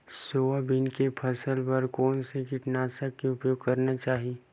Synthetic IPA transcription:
soːabɪnkepʰɐsəlpɐɾkɔːnsekɪʈnaːsakːeʊpjoːɡ̚kɐɾnat͡ʃaːɦie

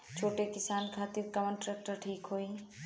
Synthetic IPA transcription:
t͡ʃʰoːʈekɪsaːnkʰaːt̪ɪɾkɐʋənʈɾɛːk̚ʈəɾʈʰiːkɦoi

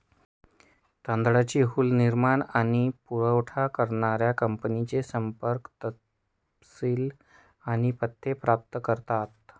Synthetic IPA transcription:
t̪ənd̪ɽat͡ɕiːɦulniɾmaɳaɽ̃ipuɭəwʈʰakəɾɳaɾjakəmpnit͡sesəmpəɾkt̪ə | siːl | aɽ̃ipət̪ʰːepɾap̚t̪kəɾt̪at̪̚

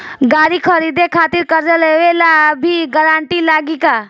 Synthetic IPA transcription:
ɡaɽikʰəɾid̪ekʰat̪iɾkəɾd͡ʒəleʋelabʱiɡəɾaɳʈilaɡika

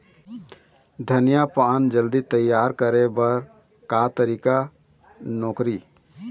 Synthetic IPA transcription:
d̪ʱənijapand͡ʒəld̪it̪əjːaːɾkəɾebəɾ | kat̪əɾika | nɔːkɾi

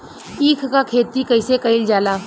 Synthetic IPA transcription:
iːkʰkakʰeːt̪ikəɪsekəɪld͡ʒaːlaː

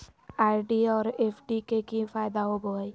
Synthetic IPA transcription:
aːɖiɔːɾeːpʰɖikekifʰaːɪd̪aɦoboɦi

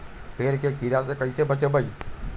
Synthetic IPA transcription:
pʰeːɾkekiɾas̬ekəisebət͡ʃebəi

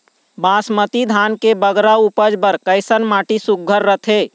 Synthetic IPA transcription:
bãːsmət̪id̪ʱaːnkebəɡɾaupəd͡ʒbəɾkəɪsənmaːʈisuk̚ːəɾːət̪ʰeː

